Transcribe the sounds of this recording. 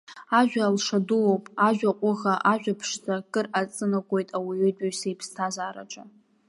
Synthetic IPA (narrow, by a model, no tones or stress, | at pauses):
aʒᶣʷaːlʂaduwowpʼaʒᶣaqʷʼʊɣaʔaʒᶣapʰʂt͡sʼakʼɨrat͡sʼɨnakʷʼo̞jtʼawaɥʏdʼɪɥsaipʰstʰazaːɾa̰ʈ͡ʂʼa